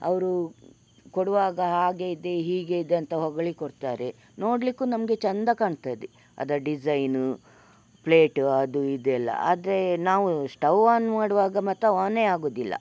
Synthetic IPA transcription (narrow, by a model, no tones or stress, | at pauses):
ɐ̰ʋɐɾu | koɽɐʋaːɡɐɦaːɡeid̪e̞ɦiːɡeid̪eɐnt̪ɐɦɔɡɐɭikoɽt̪aːɾe̞ | no̞ːɽlikːunɐmɐɡe̞t͡ʃɐnd̪ɐkaːɳt̪aːjd̪e | ɐ̰d̪ɐɖid͡ʒɐjnu | pleːʈɐd̪uid̪ɛlːɐ̰a̰ːd̪ɐɾe̞naːʋuʂʈɐʋːaːnmaːɽɐʋaːɡɐmɐt̪ːɐaːneːaːɡoːd̪ilːɐ̰